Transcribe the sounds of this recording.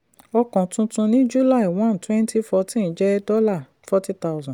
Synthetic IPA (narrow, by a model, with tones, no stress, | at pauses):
ɔ˧kɔ̃˨tũ˧tũ˧nĩ˦d͡ʒu˦la˦˨i˨w̃ã˦˨n˨twɛ̃˦nti˦fɔ˧tĩ˦ñ̩˨˦d͡ʒɛ˦dɔ˦la˦˨ | fɔ˦ti˦ta˦wzɔ̃˨